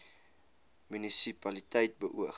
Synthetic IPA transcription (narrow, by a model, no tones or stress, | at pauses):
mynisipɐlitɛjt̚bəʔuə